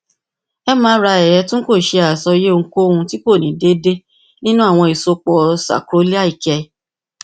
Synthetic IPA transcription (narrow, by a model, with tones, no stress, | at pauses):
ɛ˦mãː˨˦ɾa˧ɛ˨ɾɛ˨˧˦tũ˦ko˦˨ʃe˧a˨sɔ˧˦je˦o˧ŋ̩˦ko˦˨ũ˧ti˦ko˦˨nĩ˨˦de˦de˦ | nĩ˦nũ˦a˦˨w̃ɔ̃˧i˨so˧k͡pɔ˨sa̰˨kɾo˨˦li˦a˦i˦˨kɛ˧